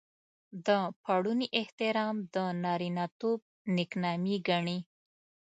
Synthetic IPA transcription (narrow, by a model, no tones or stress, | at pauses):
d̪əpʰaɽuniʔɪht̪ɪɾɑmd̪ənɑɾinɑt̪ob̚ | nɪknɑmiɡaɳi